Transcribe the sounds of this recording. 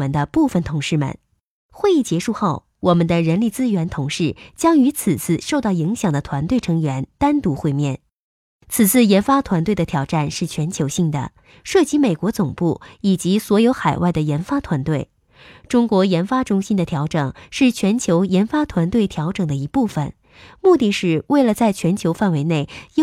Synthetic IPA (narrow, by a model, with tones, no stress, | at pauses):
ə˧˥nd̪ə˧pu˥˩fə˨˩nt̪ʰʊ˧˥ŋʂɻ̩˥˩mə̰˨˩n | xwe˥˧ɪi˥˩t͡ɕjɛ˧˥ʂu˥˧xo˥˩ʊ | wɔ˨˩mə˦nd̪ə˧ɻə˧˥nli˥˩t͡sɹ̩˥ɥɛ˧˥nt̪ʰʊ˧˥ŋʂɻ̩˥˩t͡ɕjɑ˥ŋy˧˥t͡s̩ʰ˨˩t͡sʰɹ̩˥˩ʂo˥˧ʊt̪ɑ˥˩ʊi˧˥ŋɕjɑ˨˩ŋd̪ə˦t̪ʰwa˧˥nt̪we˥˩ɪʈ͡ʂʰɤ˧˥ŋɥɛ˧˥nt̪a˥nt̪u˧˥xwe˥˧ɪmjɛ˥˩n | t͡s̩ʰ˨˩t͡sʰɹ̩˥˩jɛ˧˥nfa˥t̪ʰwa˧˥nt̪we˥˩ɪd̪ə˩t̪ʰjɑ˨˩ʊʈ͡ʂa˥˧nʂɻ̩˥˩t͡ɕʰɥɛ˧˥nt͡ɕʰjo˧˥ɕi˥˩ŋd̪ə̰˩ | ʂɤ˥˩t͡ɕi˧˥me˨˩ɪkwɔ˧˥t͡sʊ˨˩ŋpu˥˩i˨˩t͡ɕi˧˥swɔ˧˥jo˧˥ʊxa˨˩ɪwa˥˩ɪd̪ə˩jɛ˧˥nfa˥t̪ʰwa˧˥nt̪we˥˩ɪ | ʈ͡ʂʊ˥ŋkwɔ˧˥jɛ˧˥nfa˥ʈ͡ʂʊ˥ŋɕi˥nd̪ə˨t̪ʰjɑ˧˥ʊʈ͡ʂɤ˨˩ŋʂɻ̩˥˩t͡ɕʰɥɛ˧˥nt͡ɕʰjo˧˥ʊjɛ˧˥nfa˥t̪ʰwa˧˥nt̪we˥˩ɪt̪ʰjɑ˧˥ʊʈ͡ʂɤ˨˩ŋd̪ə˦i˧˥pu˥˩fə̰˨˩n | mu˥˧t̪i˥˧ʂɻ̩˥˩we˥˩ɪlə˩t͡sa˥˩ɪt͡ɕʰɥɛ˧˥nt͡ɕʰjo˧˥ʊfa˥˩nwe˧˥ɪne˥˩ɪ˥